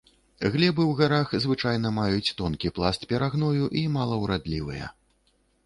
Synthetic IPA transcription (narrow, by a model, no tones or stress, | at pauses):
ɣlʲɛbɨwɣaɾaxzvɨt͡ʂajnɐmajut͡sʲt̪ɔnkʲiplˠast̪̚pʲɛɾaɣnɔjuʔimalˠɐwɾad̪lʲivɨ̰jɐ̰